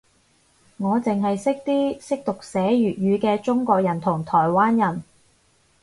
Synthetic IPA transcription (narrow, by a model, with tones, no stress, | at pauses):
ŋɔː˨˧t͡sɪ˨ŋɦɐ˨jsɪ˥k̚t̪iː˥sɪ˥k̚t̪ʊ˨k̚sɛː˨˥jyː˨˩t̚jyː˨˧kɛː˧t͡sʊ˥ŋkɔː˧k̚jɐ˨˩nt̪ʰʊ˨˩ŋt̪ʰɔː˨˩jwaː˥njɐ˨˩n